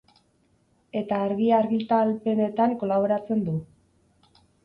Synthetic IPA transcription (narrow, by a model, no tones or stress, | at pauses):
e̞t̪aːɾɣiaɾɣilt̪alpe̞ne̞t̪aŋko̞laβ̞o̞ɾat͡se̞nd̪u